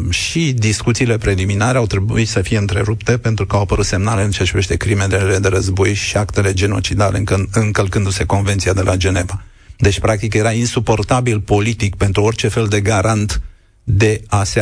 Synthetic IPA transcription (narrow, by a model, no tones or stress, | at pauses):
ʃid̪iskut̪siːle̞pɾe̞liminaɾe̞awt̪ɾe̞buit̪səfije̞ɨnt̪ɾe̞ɾupt̪e̞pe̞nt̪ɾukəawapəɾut̪se̞mnale̞ɨnt͡ʃeat͡ʃiɾiveʃt̪e̞kɾimed̪eled̪e̞ɾəzbo̞jʃiakt̪e̞le̞d͡ʒe̞no̞t͡ʃid̪alʔe̞ɨɨŋkəlkɨnd̪use̞ko̞nvet̪siad̪e̞lʔad͡ʒe̞ne̞va | d̪e̞t͡ʃʲpɾak̚t̪ikje̞ɾainsupo̞rt̪abilpo̞lit̪ikpe̞nt̪ɾuo̞rʲt͡ʃe̞fe̞ld̪e̞ɡaɾant̪ | d̪e̞ase